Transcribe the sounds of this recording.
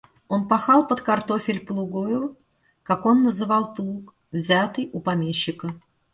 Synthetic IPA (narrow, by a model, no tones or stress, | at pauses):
o̞npɐxɑlˠpət̪kɐrt̪ofʲɪlʲplˠʊɡojʊ | kako̞nːəzɨvɑlˠplˠuk | vzʲat̪ɨjʊpɐmʲeɕːɪkə